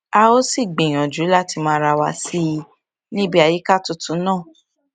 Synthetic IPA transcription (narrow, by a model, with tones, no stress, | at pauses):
a˧o˦si˦˨ɡ͡bĩ˨j̃ɔ̃˨d͡ʒu˨˦la˦˨ti˧mã˦˧ɾa˧wa̰˧˨si˦i˧ | nĩ˦bi˦a˨ji˨˦ka˦˨tu˧tũ˨˦nãː˦˨